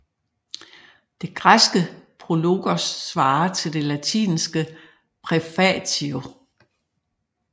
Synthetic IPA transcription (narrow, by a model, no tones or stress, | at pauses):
d̥e̝ɡ̥ʁasɡ̥əpʰʁo̝lo̝ɡ̥ɐsːʋɑ̈ːt͡sʰe̝ld̥e̝læt͡sʰḭːnsɡ̥ə | pʰʁɛfæt͡sʰio